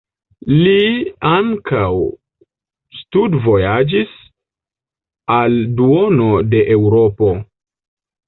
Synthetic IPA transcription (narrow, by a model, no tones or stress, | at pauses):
liaŋkʰaw | studvo̞jad͡ʒis | alduo̞no̞de̞ʔewɾo̞po̞